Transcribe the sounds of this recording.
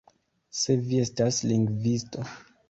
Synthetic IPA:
se̞vie̞stasliŋɡvisto

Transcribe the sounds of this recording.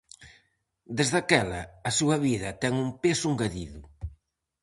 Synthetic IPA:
d̪ezðɐkɛlɐ̰ɐsuɐβiðɐt̪ɛŋumpesuŋɡɐðiðu

